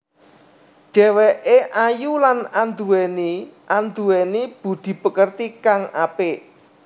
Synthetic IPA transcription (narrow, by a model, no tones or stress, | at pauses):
ɖ̥ɛ̤wɛʔeʔajulanand̪uwɛniʔand̪uwɛnib̥ṳd̪̥i̤b̥ə̤kərt̪ikaŋapeʔ